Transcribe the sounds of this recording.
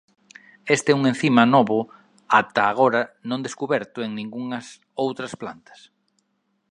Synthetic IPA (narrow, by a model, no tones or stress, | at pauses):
est̪ɪɛuŋẽn̟θimɐnɔβʊ | at̪ɐːɣ̞oɾɐnõŋd̪eskuβɛɾt̪ʊeŋnĩŋɡuŋɐs | owt̪ɾɐsplant̪ɐ̥s